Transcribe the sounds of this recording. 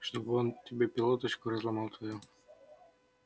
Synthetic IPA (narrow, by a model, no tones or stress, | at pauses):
ʂt̪obɨontʲɪbʲepʲɪlˠot̪ət͡ɕkoɾɐzlˠamɑlˠt̪vɐjɔ